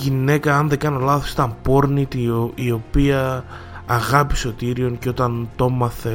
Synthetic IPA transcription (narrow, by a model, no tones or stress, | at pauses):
ʝine̞kɐɐnðe̞ɡɐnelɐθosi̥t̪ɐmpo̞ɾnit̪ioio̞piɐː | ɣɐpiso̞t̪iɾio̞ŋceo̞t̪ɐnt̪o̞mɐθe̞